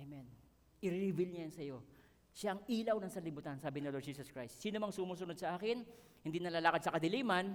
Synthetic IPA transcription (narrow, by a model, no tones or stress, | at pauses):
mɛn | ʔɪɾivilɲɐjɐnsɐjo̞ | ʃaʔɐŋʔiːlɐwnɐsɐlɪbuːt̪ansaːbɪnɪlod͡ʒiːsɐskɹajst̪siːnomɐŋsʊmuːsʊnod̪̚sɐʔaːkɪn | hɪnd̪inɐlaːlakɐd̪̚sɐkɐd̪ɪliːman